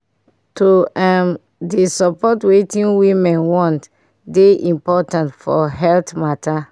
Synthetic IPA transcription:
toam | disɔpɔtwetĩnwimɛ̃nwɔ̃nt | deʔĩmpɔtãntfɔ̰ɦɛltmata

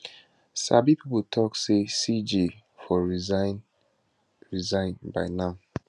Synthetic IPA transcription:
sabipʰiputʰɔksesid͡ʒi | fɔɹizn | ɹizãɪ̃nba̰ɪnãm

